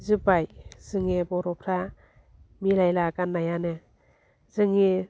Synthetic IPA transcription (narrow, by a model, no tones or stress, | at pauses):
zɯbajz̥ɯŋebɔɾɔpʰɾa | milajlakanːajanɯ | z̥ɯŋe